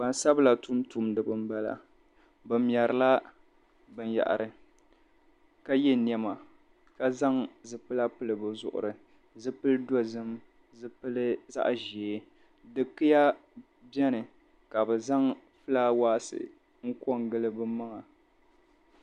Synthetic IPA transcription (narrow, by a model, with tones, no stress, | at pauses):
ba˨n˦sa˦bla˨tu˦mtu˦mdɨ˨bɨ˨m˦ba˦la̰˨ | bɨ˨mjɛ˨ɾɨ˨la˦ | bɨ˨nja̰˨ʔa̰˨ɾɨ˨ | ka˦jɛ˦ni˦ɛ˨ma˨ | ka˦za˦ŋzɨ˨pɨ˦la˦pɨ˦lɨ˨bɨ˨zʊ̰˨ʔʊ̰˨ɾɨ˨ | zɨ˦pɨ˦ldɔ˦zɨ˦m | zɨ˦pɨ˦lɨ˦za̰˦ʔʒeː˨ | dɨ˨kɨ˦ja˦ | bɛ˦nɨ˨ | ka˨bɨ˨za˦ŋfɨ˦laː˦waː˦sɨ̰˨ | ŋ̩˦ko˦ŋɡɨ˦lɨ˦bɨ˦ma˦ŋa˨